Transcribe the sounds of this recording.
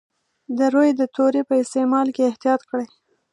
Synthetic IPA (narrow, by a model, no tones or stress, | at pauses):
d̪əɾojd̪ət̪ʰoɾepəɪst̪emɑlkeɪht̪ijɑt̪kəɽaj